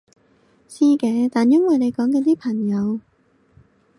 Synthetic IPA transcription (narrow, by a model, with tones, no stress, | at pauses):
siː˥kɛː˨˧˦t̪aː˨njɐ˥nwɐ˨˩jne˨˧jkɔː˨˥ŋkɐː˨˧t̪iː˥pʰɐ˨˩ŋjɐ˨˧w